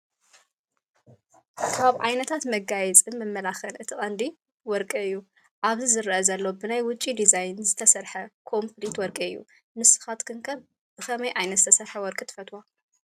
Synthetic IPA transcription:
kʰaβʕajnɐt̪ʰat̪mɐɡajɛt͡sʼɨnmɨmːɐlaxɐlʔɨt̪ʰɨχʼɐnd̪i | wɔɾkʼɐɨjːu | ʔaβzizɨɾɨʔɐzɐlːo̞bɨnajwʊt͡ʃʼːid̪izajnzɨt̪ʰɐsɐɾħɐkʰo̞mplit̪wɔɾkʼɐɨjːṵ | mɨsɨ̥xat̪kʰɨŋkʰɐβ | b̥ɨxɐmɐjʔajnɐt̪zɨt̪ʰɐsɐɾħɐwɔɾkʼɨt̪ʰɨ̥fɐt̪ʰwa

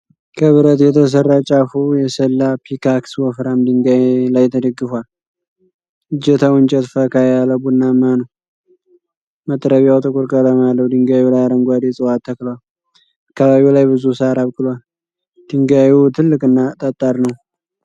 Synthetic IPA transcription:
kʰəβɨɾət̪jɛt̪ʰəs̬ərːat͡ʃʼafujɛsəlːapʰikʰakswɔfɾamd̪ɨŋɡajlajt̪ʰəd̪əɡːɨfwal | ɨd͡ʒɛt̪ʰawɨnt͡ʃʼɛt̪fəkajaləbudnamːanəw | mət̪ʼɾəβjawt̪ʼɨkʼuɾkʼələmalːəwd̪ɨŋɡajulajaɾəŋɡʷad̪et͡sʼɨwat̪ʰːəkləwal | akːəβaβiwlajbɨzusaɾaβkʼɨlwal | d̪̥ɨŋɡajut̪ʰɨlːɨkʼɨnːat̪ʼət̪ʼːaɾnəw

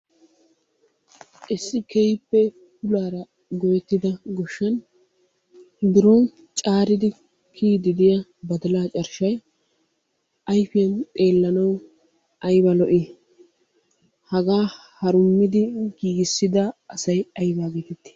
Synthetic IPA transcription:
ʔɪsːɪkɛjpːɛ | pʊlaːɾɐ | ɡɔjɛt̪ːɪd̪ɐɡɔʃːɐn | d̪ɪɾɔn | t͡ʃʼaːɾɪd̪ɪ | kʰiːd̪ɪd̪ɪjɐbɐd̪ɐlaːt͡ʃʼɐɾʃɐj | ʔɐjfɪjɐnt̪ʼe̞ːlːɐnɐw | ʔɐjbɐlɔʔɪː | hɐɡaː | hɐɾʊmːɪd̪ɪɡiːɡɪsːɪd̪ɐːsɐjɐjbaːɡeːt̪ɛt̪ːɪ̥

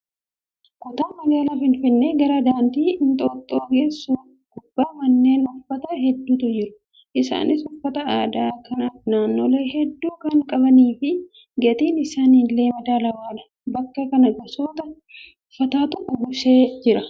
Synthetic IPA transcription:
kʊt̪aːmɐɡaːlafɪnfɪnːeːɡɐɾɐd̪aːnt̪iːɪnt̪ʼoːt̪ʼːoːɡe̞ːsːuːf | ɡ̥ʊbːaːmɐnːe̞ːnʊfːɐt̪ɐɦɛd̪ːuːt̪ʊd͡ʒɪɾʊ | ʔɪsa̰ːnɪsʊfːɐt̪ɐaːd̪aːkɐnaːfnaːnːo̞ːle̞ːhɛd̪ːuːkɐŋkʼɐβɐniːfɪ | ɡɛt̪iːnɪsaːniːnleːmɐd̪aːlɐwaːᶑɐ̥ | bɐkːɐkɐnɐɡɐsoːt̪ɐ | fɐt̪aːt̪ʊʔʊɡʊse̞ːd͡ʒɪɾɐ

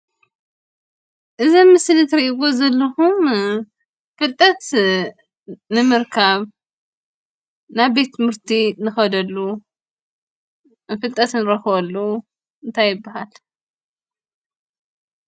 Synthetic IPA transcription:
ʔɨzɐmːɨsɨlɨt̪ʰɾɐʔiɡozɐlːɐhum | fɨlt̪ʼɐt̪ | nɨmɨɾkʰaβ | naβbet̪ʰːɨmɨɾt̪ʰinɨxɐd̪ɐlːu | fɨlt̪ʼɐt̪nɾɐxɨβɐlːɐw | ɨnt̪ʰajːɪbːahal

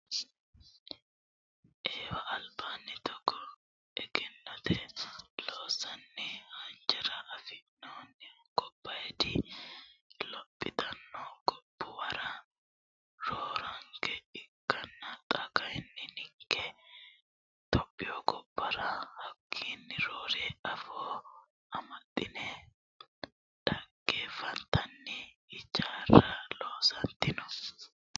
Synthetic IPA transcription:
ʔeːwɐʔːlbaːnːɛt̪ɔkːɔ | ɛɡɛnːɔt̪ɛloːsɐnːɛhɐnd͡ʒɛɾɐʔːfɪnːoːnɛkʼɔpːɐjɛd̪ɪ | lɔpʼːɪ̰t̪ɐnːɔɡɔbːʊwɐɾɐ | ɾoːɾɐŋkʰɛɪkːɐnːɐt̪ʼɐkɐjnːɪnɪŋkʰːɛ | t̪ɔpʼːɪjɔkʼɔpːɐɾɐhɐkʰːiːnːɪɾoːɾeːɐfo | ɐmɐt̪ʼːɪnɛ | ᶑɐɡːefɐnt̪ːɐnːɛ | ɪt͡ʃːaːrɐloːsɐnt̪ːɪnɔ

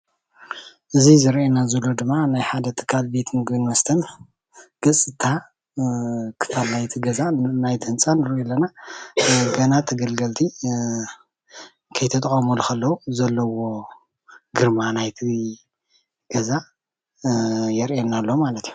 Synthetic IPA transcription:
ʔɨzizɨɾʔenazɐlod̪ɨmːanajħad̪ɐt̪ʰɨ̥kʰːalbet̪ʰɨnɡɨnmɐst̪ʰɐn | ɡ̥ɐt͡sʼːɨt̪ʰa | kʰɨ̥fʰalnajt̪ʰiɡɐzanajt̪ʰɨhɨnt͡sʼanɨɾɛlːɐna | ɡɐnat̪ʰɐɡɐlɡɐlt̪ʰi | kʰɐjt̪ʰɐt̪ʼɐχʼɐmolukɐlːɐuzɐlːɐwo̞ | ɡɨɾmanajt̪ʰi | ɡ̥ɐza | jɛɾʔenalːomalɐt̪iju

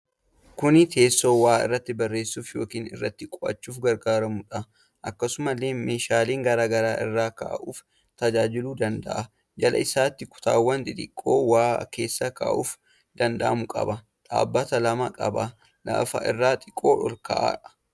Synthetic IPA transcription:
kʊnɪt̪ʰe̞ːsːoːwaːɪ̰rːɐt̪ːɪbɐrːe̞ːsːuːfjo̞ːkiːnɪ̰rːɐt̪ːɪkʼɔʔɐ̰t͡ʃːuːfɡɐɾɡaːɾɐmʊᶑɐ | ʔɐkːɐsʊmɐlːeːme̞ːʃaːleːŋɡɐɾaːɡɐɾaːʔɪ̰rːaːka̰ːʔuːf | t̪ɐd͡ʒaːd͡ʒɪluːd̪ɐnd̪ɐ̰ʔɐ | d͡ʒɐlɐ̰ɪsaːt̪ːɪkʊ̥t̪a̰ːwːɐnt̪ɪt̪ʼɪkʼːoːwaːke̞ːsːɐka̰ːʔuːf | d̪̥ɐnd̪ɐ̰ʔɐmʊkʼɐ̰bɐ | t̪ʼa̰ːbːɐt̪ɐlɐmɐkʼɐ̰bɐ | la̰ːfɐ̰ʔɪ̰rːaːt̪ʼɪkʼːo̞ːʔɔlkɐ̰ʔa̰ᶑɐ̥

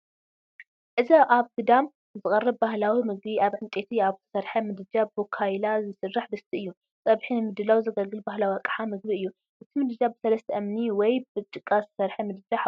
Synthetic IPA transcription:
ʔɨzɐʔaβkɨd̪am | zɨkʼɐrːɐbbahlawimɨɡbiaβʕɨnt̪ʼet̪ʰiaβt̪ʰɐ̥sɐɾħɐmɨd̪ɨd͡ʒabbokʰajlazɨsɨrːaħbɨst̪ʰiʔɨjːu | t͡sʼɐβħinɨmɨd̪ːɨlawzɐɡɐlɡɨlbaɦlawiakʼħamɨɡbiɨjːu | ʔɨt̪ʰimɨd̪ɨd͡ʒabɨsɐlɐst̪ʰɐʔɐmniwɔjbɨt͡ʃʼɨkʼːazt̪ʰɐ̥sɐɾħɐmɨd̪ɨd͡ʒaħ

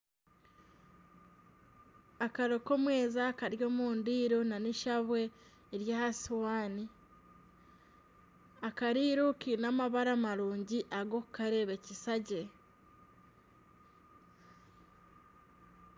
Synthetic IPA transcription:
akaɾo̞ko̞mwe̞ːzakaɾjo̞ːmuːndiːɾo̞naniʃaβwe̞ː | ɾjahaswaːni | akaɾiːɾukinamaβaɾamaɾuːɲɟiʔaɡo̞kukaɾe̞βe̞cisaɟe̞

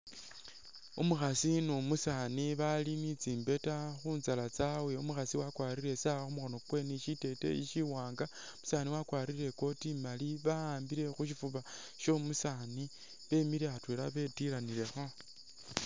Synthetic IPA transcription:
omuxasinumusaniβalinit͡siːmbe̞taxuːnzalat͡sawe̞umuxasiwakwaːɾiɾe̞sawaxumuxo̞no̞kwe̞niʃite̞te̞̰iʃiwaːŋɡa | musaːniwakwaːɾiɾe̞ko̞timaliβaaːmbiɾe̞xuʃ̬ifuβa | ʃo̞musani | βe̞miɾeatweɾaβetiɾaniɾe̞xo̞

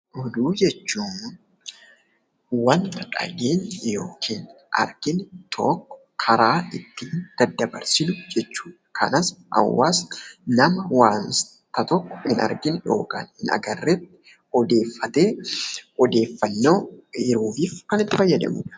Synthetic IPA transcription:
ɔd̪uːd͡ʒɛt͡ʃːuːn | wɐnt̪ɐᶑʼɐ̰ɡeːnjo̞ːkʰiːn | ʔɐ̰ɾɡɪnt̪ʰɔ̰kːɔ̥ | kʰɐɾaːɪt̪ːind̪̥ɐd̪ɐbɐɾsɪnʊd͡ʒɛt͡ʃːu̥ːᶑɐkʰɐ̰nɐsʔɐ̰wːa̰ːsnɐmɐwaːns | t̪ɐt̪ɔkːɔ̥hɪnɐ̰ɾɡɪnjo̞ːka̰ːnhɪnɐ̰ɡɐrːɛt̪ːɪ̥ | ɔd̪e̞ːfːɐt̪e̞ːɔd̪e̞ːfːɐnːo̞ːɪɾuːfiːfkɐnɪt̪ːɪfɐjːɐd̪ɐ̰mṵːᶑɐ̥

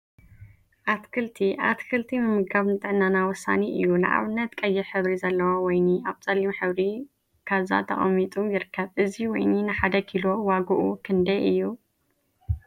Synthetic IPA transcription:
ʔat̪kʰɨlt̪ʰiʔa̰t̪kʰɨlt̪ʰimɨmɨɡaβnɨt̪ʼɨʕnːanawɔsa̰niʔɨ̰jːunɨ̰ʔa̰βɨnːɐt̪kʼɐjːɪɾħɨβɾizɐlːɐwawɔjniaβt͡sʼɐlːimħɨβɾi | kʰaβza̰t̪ʰɐ̰χʼɐ̰mːit̪ʼujɪɾɨkʰːɐβʔɨziwɔjninɨħad̪ɐkʰilo̞waɡuʔukʰɨnd̪ɐjʔɨjːu

